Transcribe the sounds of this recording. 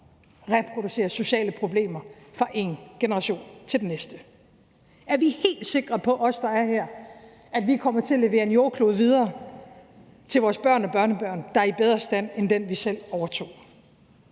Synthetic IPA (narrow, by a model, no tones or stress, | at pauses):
ʁɛpʰʁo̝duse̝̰ːɐso̝ɕɛ̰ːləpʰʁo̝b̥le̝̰ːmɐfʁɑ̈ʔe̝nɡ̥enəʁɑ̈ɕo̝̰ːnt͡sʰe̝ldenesd̥ə | ʔæɐʋihe̝̰ːld̥se̝ɡ̥ʁɐpʰɒ̽ʔɒ̽sd̥ɑ̈æɐhɛɐ̰ | æd̥ʋikʰɒ̽m̰ɐt͡sʰe̝æle̝ʋe̝ːɐe̝njo̝ːkʰlo̝ːð̩ˠʋið̞ˠɐː | t͡sʰe̝lʋɒːsb̥ɶɐ̰nɒ̽b̥ɶɐnəb̥ɶɐ̰nd̥ɑ̈æɐib̥eð̞ˠʁɐsd̥æn̰end̥enʋisel̰ɒʊɐt͡sʰo̝̰ː